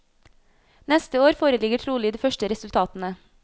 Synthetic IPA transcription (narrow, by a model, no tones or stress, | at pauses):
nɛst̪əoːɾfoːɾəlɪɡəʈʰɾuːlɪːd̪eːfœʃʈəɾɛsʉlt̪ʰɑːt̪ən̩ə